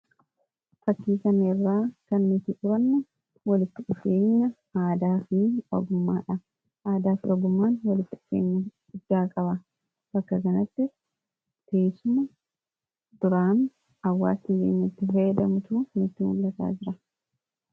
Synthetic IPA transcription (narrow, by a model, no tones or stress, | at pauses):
fɐt̪ːiːkɐnɐɪrːaːkɐnːʊt̪ɪt͡ʃʼʊɾɐnːɐ | wɐlɪt̪ːɪᶑʊfeːɲːɐ | aːd̪aːfniːɔɡʊmːaːᶑɐ | ʔaːd̪aːfɔɡʊmːaːnwɐlɪt̪ːɪɪfeːɲːɐɡʊd̪ːaːkʼɐbɐ | b̥ɐkːɐkɐnɐt̪ːɪ | t̪eːsʊmɐ | d̪̥ʊɾaːn | ɐwːa̰ːsnɪɡḛːɲːɐt̪ːɪfɐjɛd̪ɐmʊt̪uːnʊt̪ːɪnʊlːɐt̪a̰ːd͡ʒɪɾɐ